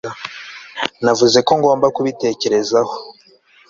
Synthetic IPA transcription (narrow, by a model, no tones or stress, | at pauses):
navuze̞ko̞ŋɡo̞ːmbakuβite̞ːce̞ɾe̞zaho̞